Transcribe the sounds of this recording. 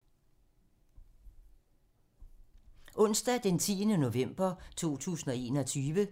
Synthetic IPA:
ʔɔ̽n̰sd̥ɛd̥ent͡sʰiːənəno̝ʋem̰b̥ɐt͡sʰo̝̰ːt͡sʰṵːsn̩ɒ̽e̝̰ːnɒ̽t͡sʰyːʋə

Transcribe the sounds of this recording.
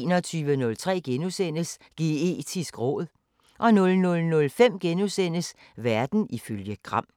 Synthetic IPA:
nɒ̽t͡sʰyːʋənɔ̽lt͡sʰʁɛ̰ːɡ̥enusen̰əs | ɡ̥ee̝̰ːd̥ʰisɡ̥ʁɔ̰̽ːð̩ˠ | ʔɒ̽nɔ̽lnɔ̽lnɔ̽lfem̰ɡ̥enusen̰əs | ʋæɐd̥n̩iføljəɡ̥ʁɑ̈m̰

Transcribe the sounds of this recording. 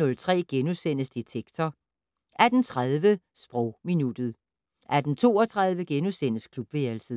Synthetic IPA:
ɔ̽lt͡sʰʁɛ̰ːɡ̥enusen̰əsd̥it͡sʰeɡ̥t͡sʰɒ | ʔæd̥n̩t͡sʰʁað̞ˠʋə | sb̥ʁɒʊminud̥ð̞̩ˠ | ʔæɐd̥n̩t͡sʰo̝̰ːɒt͡sʰʁað̞ˠʋəɡ̥enusen̰əskʰlub̥ʋeælsə

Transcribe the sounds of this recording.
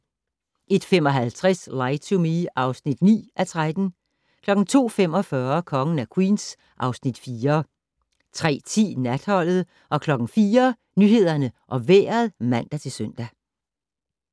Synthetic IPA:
ʔe̝d̥fem̰ɒ̽ɦælt͡sʰʁɛslɑ̈ɪt͡sʰumiɑ̈ʊsnid̥nḭːʔæt͡sʰʁad̥n̩ | kʰlɒ̽ɡ̥n̩t͡sʰo̝̰ːfem̰ɒ̽fɶɐkʰɒ̽ŋən̩ækʰwḭːns | ʔɑ̈ʊsnid̥fiːɐ | t͡sʰʁɛ̰ːt͡sʰḭːnæd̥hɒ̽l̰ð̞̩ˠ | ʔɒ̽kʰlɒ̽ɡ̥n̩fiːɐ | nyhe̝ð̞̰ˠɐnəʔɒ̽ʋḛːɐðˠmæn̰d̥æt͡sʰe̝lsøn̰d̥æ

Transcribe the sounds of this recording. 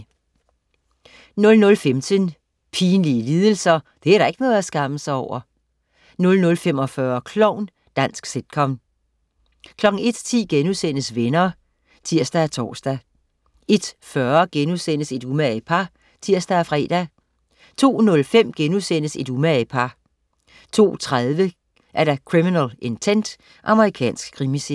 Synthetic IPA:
nɔ̽lnɔ̽lfemt͡sʰən | pʰiːnliəliːðˠəl̩sɐ | d̥e̝æɐɾ̥ɑ̈e̝ɡ̥ənɔ̽ːð̞̩ˠæsɡ̥ɑ̈məsɑ̈ɪɒʊ̰ɐ | nɔ̽lnɔ̽lfem̰ɒ̽fɶɐkʰlɒʊ̰n | d̥æn̰sɡ̥sed̥kʰɒ̽m | kʰlɒ̽ɡ̥n̩e̝d̥t͡sʰḭːɡ̥enusen̰əsʋenɐː | t͡sʰiɐ̰sd̥ææt͡sʰɒ̰ːsd̥æ | e̝d̥fɶɐɡ̥enusen̰əse̝d̥umæpʰɑ̈ | t͡sʰiɐ̰sd̥ææfʁɛ̰ːd̥æ | t͡sʰo̝̰ːnɔ̽lfem̰ɡ̥enuðˠsen̰əse̝d̥umæpʰɑ̈ | t͡sʰo̝̰ːt͡sʰʁað̞ˠʋə | ʔæɐɾɑ̈kʰʁiminɛle̝nt͡sʰen̰d̥ | ʔɑ̈məʁikʰɛ̰ːnsɡ̥̚kʰːʁimise

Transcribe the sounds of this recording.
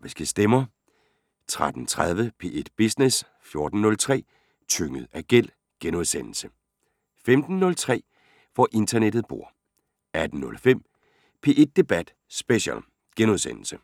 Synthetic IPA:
ʋisɡ̥əsd̥emɐ | t͡sʰʁad̥n̩t͡sʰʁað̞ˠʋəpʰe̝̰ːʔed̥b̥isnes | fjo̝ɐd̥n̩ːɔ̽lt͡sʰʁɛ̰ː | t͡sʰøŋəð̩ˠæɡ̥el̰ | ɡ̥enuðˠsen̰l̩sə | femd̥n̩ːɔ̽lt͡sʰʁɛ̰ː | fɒʔe̝nd̥ɐned̥ð̩ˠb̥o̝ɐ̰ | æd̥n̩nɔ̽lfem̰ | pʰe̝ːʔe̝d̥̚ːe̝b̥æd̥ | sb̥eɕɛ̰l | ɡ̥enuðˠsen̰l̩sə

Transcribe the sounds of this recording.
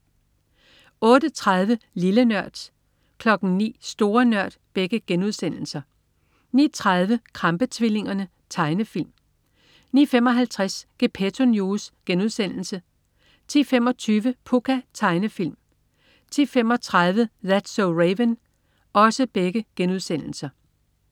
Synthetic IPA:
ɔ̽ːd̥ət͡sʰʁɑð̞ˠʋəlilənɶɐ̰d̥ | kʰlɒ̽ɡ̥n̩nḭːsd̥o̝ːɐnɶɐ̰d̥b̥eɡ̥əɡ̥enuð̞ˠsen̰l̩sɐ | nḭt͡sʰʁɑð̞ˠʋəkʰʁɑ̈mb̥ət͡sʰʋile̝ŋɐnə | t͡sʰɑ̈ɪnəfil̰m | niːfemɒ̽ɦælt͡sʰʁasɡ̥epʰet͡sʰonjusɡ̥enuð̞ˠsen̰l̩sə | t͡sʰiːfem̰ɒ̽t͡sʰyːʋəpʰukʰæt͡sʰɑ̈ɪnəfil̰m | t͡sʰḭːfem̰ɒ̽t͡sʰʁɑð̞ˠʋəðæd̥soʊʁeʋən | ɒ̽səb̥eɡ̥əɡ̥enuð̞ˠsen̰l̩sɐ

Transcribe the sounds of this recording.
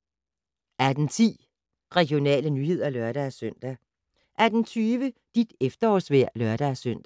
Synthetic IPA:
æɐd̥ent͡sʰḭː | ʁɛɡ̥jo̝nɛ̰ːlənyhe̝ð̞̰ˠɐlœɐɾ̥æːsøn̰d̥æ | ʔæɐd̥ent͡sʰyːʋəd̥id̥efd̥ɐɒsʋæɐ̰lɶɐd̥æːsøn̰d̥æ

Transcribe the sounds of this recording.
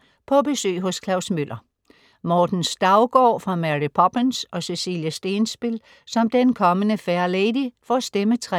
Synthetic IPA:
pʰɒ̽b̥e̝sø̰ːɦɔ̽skʰlɑ̈ʊsmøl̰ʔɐ | mɒːd̥n̩sd̥ɑ̈ʊɡ̥ɒ̰ːfʁɑ̈mæʁipʰɒb̥ensɒ̽sesḭːljəsd̥e̝ːnsb̥il | sɒ̽md̥enkʰɒ̽mənəfæɐleɪdifɒæsd̥emət͡sʰʁɛ

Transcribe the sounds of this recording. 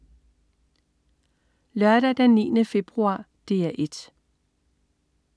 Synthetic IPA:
lɶɐɾ̥æd̥ænnːḭːnəfe̝b̥ʁuɑ̰̈ː | d̥e̝̰ːæʔe̝d̥

